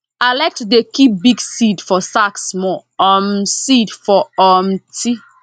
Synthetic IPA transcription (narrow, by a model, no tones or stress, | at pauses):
aɪlaɪk̚tudekipbiɡsidfɔsaksmɔɔmsidfɔɔmtʰi